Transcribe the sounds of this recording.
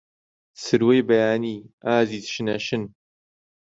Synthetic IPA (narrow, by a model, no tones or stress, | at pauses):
sɨɾwejbɐjaːniːaːziːzʃɨnɐʃɨn